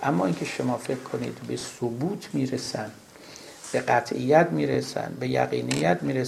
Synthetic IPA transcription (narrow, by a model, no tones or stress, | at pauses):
ʔæmːɒːiːnkcʰeʃomɒːfe̞kʰkʰo̞nḭːd̪be̞sobuːt̪ʰmiːɾesænd̪ | b̥e̞ɢæt̪ʰʔijːæt̪miːɾesæ̰nd̪be̞jæ̰ɣḭːnijːæt̪ʰmiːɾe